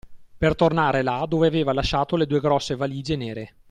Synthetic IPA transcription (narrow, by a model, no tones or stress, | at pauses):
pert̪ornaːɾelad̪oːveaveːvalaʃːaːt̪oled̪uːeɡɾɔsːevaliːd͡ʒeneːɾe